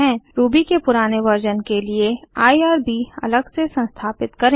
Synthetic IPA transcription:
ɛ̃ːɾuːbikepʊɾaːneʋɐɾd͡ʒənkelieaːiaːɾbiɐ̰ləɡsesɐ̃nst̪ʰaːpɪt̪kɐɾẽ

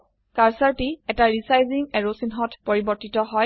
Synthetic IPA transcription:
kaɹsaɹtiɛtaɹisajziŋɛɹosinɦɔtpɔɹibɔɹtitɔɦɔj

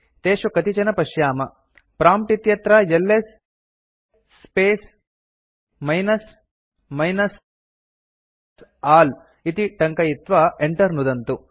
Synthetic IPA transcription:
t̪eːʂukɐt̪it͡ʃɐnɐpɐʃjaːmɐ | pɾaːmpʈit̪jɐt̪ɾɐjelːes | peːs | mɐjnɐs | mɐjnɐs | aːl | it̪iʈɐŋkɐjit̪ʋɐeɳʈɐɾnud̪ɐnt̪u

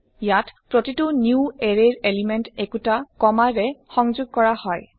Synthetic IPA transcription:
jatpɹotitʊnjueɹeɹelimentekutakɔmaɹɛxɔŋzʊɡ̚kɔɹahɔj

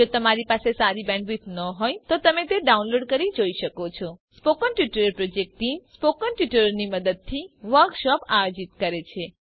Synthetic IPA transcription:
d͡ʒot̪əmaɾipasesaɾibɛ̃ɳɖʋit̪nəɦɔjt̪ot̪əmet̪eɖaunloɖkəɾid͡ʒoiʃəkot͡ʃʰɔspokənʈʋiʈəɾəɾpɾod͡ʒek̚ʈimspokənʈʋiʈəɾəɾniməd̪əd̪̚t̪ʰiʋəɾkʃɔpajod͡ʒit̪̚kəɾet͡ʃʰe

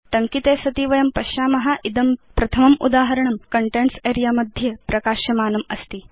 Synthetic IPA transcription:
ʈ̪ɐŋkit̪eːsɐt̪iʋɐjɐmpɐʃjaːmɐɦɐʔid̪ɐmpɾɐt̪ʰɐmɐmṵd̪aːɦɐɾɐɳɐmkɐɳʈenseːɾijaːmɐd̪ʱjepɾɐkaːʃɐmaːnɐmɐ̰st̪i

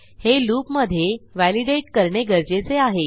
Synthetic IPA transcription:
heluːpməd̪ʱjeʋæliɖeʈkəɾɳeɡəɾd͡ʑet͡seaɦe

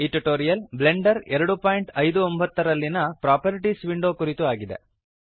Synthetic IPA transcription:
iːʈuʈoːɾijɐlble̞ɳɖɐɾɛɾɐɽupaːjiɳʈɐjd̪uombɐt̪ːɐɾɐlːinɐpɾaːpɐɾiʈisʋiɳɖo̞ːkuɾit̪uaːɡid̪e̞̰

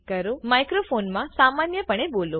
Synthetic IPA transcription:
kəɾomajkɾofonmãsamanjəpəɳ̃ebolo

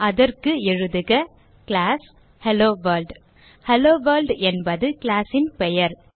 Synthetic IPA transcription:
ʔɐðɐrkɯɛɻɯðɯɣɐ | klaːs | hɛloːʋɐːlɖ | hɛloːʋɐːɾlɖɛnbɐðɯkɪlaːsɪnpɛjɐɾ

